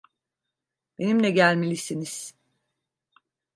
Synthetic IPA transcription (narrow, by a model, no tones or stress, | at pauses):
b̥e̞nimlʲɛɟælʲmelʲisiniz̥